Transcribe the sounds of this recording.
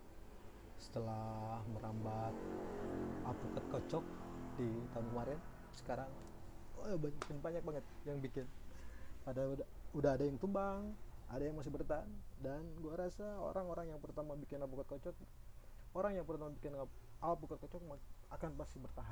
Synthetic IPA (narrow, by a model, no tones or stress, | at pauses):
sə̥t̪əlahməɾambat̪̚ | apukat̪̚kot͡ʃɔk̚dit̪anumaɾian | sə̥kaɾaŋ | oabaɲkɪnbaɲak̚baŋət̪̚jaŋbikɪn | adadaudaɦadajaŋt̪umbaŋadajaŋmas̬ɪhbərt̪andanɡuaɾasao̰ɾaŋoɾaŋjaŋpərt̪amabikɪnapukat̪kot͡ʃɔk̚ | oɾaŋjaŋpərt̪amabikɪnapukat̪̚kot͡ʃɔk̚makanpasɪbərt̪aɦa